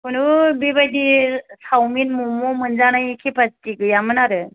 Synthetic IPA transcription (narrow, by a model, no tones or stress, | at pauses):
kunubebajdisawminmumɔmɯnzanajkʰepatiɡɯjamɯnaɾɯ